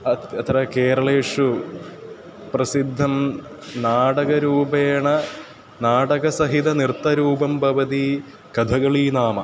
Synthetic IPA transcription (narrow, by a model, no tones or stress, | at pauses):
ɐɐt̪rɐkeːɾɐɭeːʂu | prɐsid̪ʱːɐm | naːɽɐɣɐɾuːbeːɳɐ | naːɽɐɣɐsɐɦid̪ɐnirt̪ːɐɾuːbɐmpɐʋɐd̪i | kɐd̪ʱɐɣɐɭiːnaːmɐ